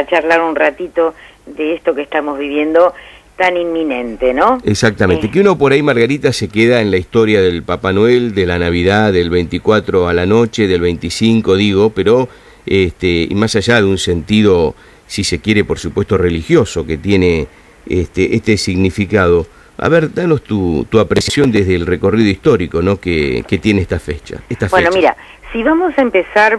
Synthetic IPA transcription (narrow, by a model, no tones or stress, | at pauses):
at͡ʃaɾlaɾunrat̪it̪od̪eest̪okest̪amozβiβje̞nd̪ot̪animminẽnt̪enoeksak̚t̪amẽnt̪ekeuno̞poɾaimaɾɣaɾit̪ase̞keðaenlaist̪o̞ɾjaðelpapanweld̪elanaβiðaðelβejnt̪ikwat̪ɾoalano̞t͡ʃe̞ðelβejnt̪isiŋko̞ðiɣo̞peɾo̞ | est̪eḭmasaʒaðeunse̞nt̪iðo̞ | sise̞kje̞ɾepo̞ɾsupwe̞st̪o̞re̞lixjo̞so̞ke̞t̪jene | est̪eʔeht̪e̞siɣnifikað̞o̞ | a̰βeɾd̪ano̞st̪ut̪uapɾesjsjo̞nd̪eɦðeːlreko̞riðo̞ist̪o̞ɾiko̞no̞kḛket̪je̞neeht̪afet͡ʃa̰est̪afbwenomiɾa̰ | siβamosaempesaɾ